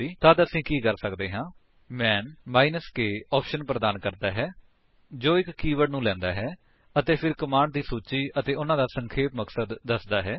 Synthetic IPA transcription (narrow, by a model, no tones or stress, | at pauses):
iːt̪ãːt̪əəsĩːkiːkəɾsəkd̪eːɦãː | mɛːnmaːinəskeːɔːpʰʃənpɾəd̪aːnkəɾd̪aːɦɛː | d͡ʒoːɪkːiːʋəɽnũːlɛ̃ːnd̪aːɦɛː | ət̪eːpʰɪɾkəmaːɳɖd̪iːsuːt͡ʃiːʔət̪eːʊnãːd̪aːsəŋkʰeːpməksəd̪ːəsd̪aːɦɛː